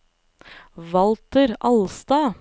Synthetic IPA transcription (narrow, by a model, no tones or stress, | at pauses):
ʋɑlt̪əɾʔɑlst̪ɑː